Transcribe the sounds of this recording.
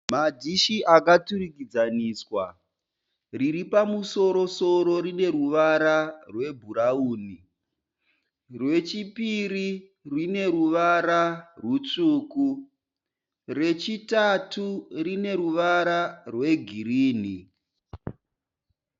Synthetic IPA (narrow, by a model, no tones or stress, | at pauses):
mad͡ʒiʃiʔakaturikid͡zaniːswa | riɾipamuso̞ɾo̞so̞ɾo̞ɾine̞ruʋaɾarwe̞bʱuɾauːni | rwe̞t͡ʃipiɾi | rwine̞ɾuʋaɾarut͡ʂuːku | re̞t͡ʃitaturine̞ɾuʋaɾarwe̞ɡʱiriːni